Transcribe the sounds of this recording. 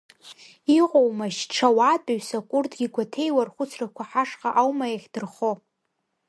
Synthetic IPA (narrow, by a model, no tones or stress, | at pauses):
iqʷʼowmaʃʈ͡ʂʰawatʼaɥsakʷʼʊrdɡʲiɡʷatʰe̞jwarχʷʊt͡sʰrakʷʰaħaʂqaʔawmajaχʲd̥ɨrχo